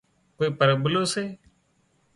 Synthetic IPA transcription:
koːiːpəɾəbəloːseː

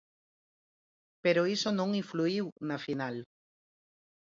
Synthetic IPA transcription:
peɾoisonõŋĩɱfluiwnafinal

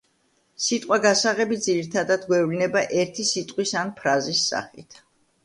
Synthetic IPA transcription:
sit̪ʼqʼwaɡasaʁɛbid̪ziɾit̪ʰad̪ad̪ɡwɛvlinɛbaʔɛɾt̪ʰisit̪ʼqʼwisanpʰɾazisːa̰χḭt̪ʰ

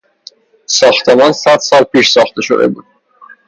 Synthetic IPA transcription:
sɒːxt̪ʰemɒːnsæd̪̥sɒːlpʰiːʃsɒːxt̪ʰe̞ʃo̰d̪e̞̰bṵːd̪̥̚

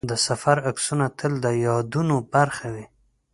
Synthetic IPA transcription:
d̪əsafaɾaksunat̪ʰəld̪əjɑd̪unobaɾxawi

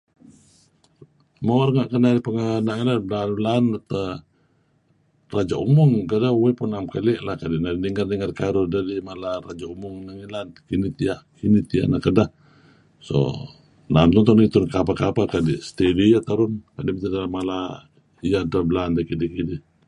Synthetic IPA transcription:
maarŋaʔkənadipəŋənaŋilanbəlanblaːnat̪ə | rad͡ʒaumʊŋkədauwɛpunːamkaliʔlahkadinadidiŋarnəŋərkaɾudadimalarad͡ʒaumʊŋnaŋilaninit̪iaʔ | init̪ia̰ʔnakəda | so̰ | namt̪uŋt̪ɔnit̪unkap̬akapakadist̪edijat̪aɾʊnkadimit̪idalamala | ijadabəlandakidikidi

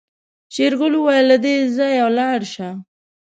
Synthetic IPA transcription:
t͡ʃeɾɣʊluwajlːad̪ezajawlɑɽʃa

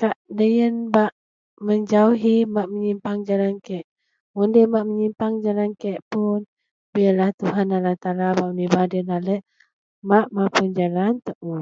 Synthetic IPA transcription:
kaʔdəjənbaʔ | məɲd͡ʒauɦimaʔməɲimpaŋd͡ʒalankɛʔ | mundəmaʔməɲimpaŋd͡ʒalankɛʔpun | bialaht̪uɦanalaht̪alabaʔmənibahdəənalɛʔ | maʔmapund͡ʒalant̪əʔu

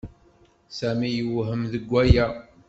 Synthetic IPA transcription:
sæmijəwɦəmðəɡʷːæjæ

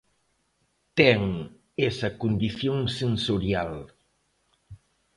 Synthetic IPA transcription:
t̪ɛŋ | esɐkund̪iθjoŋsensoɾjal

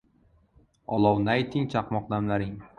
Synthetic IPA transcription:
ɒlˠɒwnajt̪ʰɪŋt͡ʃʰɑqmɒq̚d̪amlaɾɪŋ

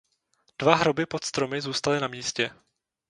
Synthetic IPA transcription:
d̥vaɦɾobɪpo̞t̪st̪ɾo̞mɪzuːst̪alɪnamiːscɛ

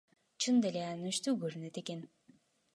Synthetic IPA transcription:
t͡ʃʰɯnd̪elʲeanyʃt̪yɡøɾynet̪eken

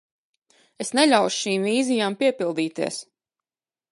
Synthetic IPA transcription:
esnɛʎʲawʃʃiːmviːzijaːmpiɛpilˠd̪iːt̪iɛs

